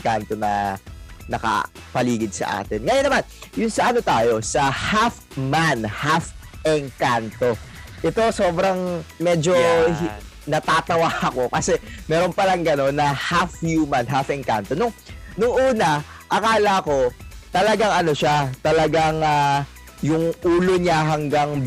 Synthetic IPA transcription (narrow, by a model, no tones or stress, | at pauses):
ŋkant̪o̞nɐ̰ | nɐkɐ̰ | pɐliːɡɪd̪̚sɐ̰ʔa̰ːt̪ɛnŋɐjonːɐmanjʊnsɐʔɐno̞t̪aːjo̞sɐhaf | manhafʔɛŋkant̪o̞ʔɛt̪o̞so̞ːbɾɐŋmɛːd͡ʒo̞ | nɐt̪aːt̪ɐwaɐko̞kɐsɛmɛːɾo̞npɐlɐŋɡɐno̞nːɐhafjumanɦafʔɛŋka̰nt̪o̞nʊŋnʊŋʔuːnɐ | ʔɐkaːlɐko̞t̪ɐlɐɡaŋɐno̞ʃat̪ɐlɐɡaŋa | jʊŋʔuːloɲaɦɐŋɡaŋ